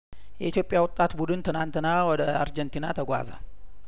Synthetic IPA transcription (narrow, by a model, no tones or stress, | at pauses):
jɛʔit̪ʰjo̞pʼjawʊt̪ʼːat̪bud̪ɨnt̪ʰɨnant̪ʰɨnawɔd̪əa̰ɾd͡ʒɛnt̪ʰinat̪ʰəɡʷa̰zə̰